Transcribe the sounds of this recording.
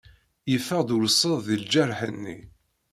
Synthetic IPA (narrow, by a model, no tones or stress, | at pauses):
jəfəʁd̪ʊɾəsˤːəððild͡ʒæɾˤħənːḭ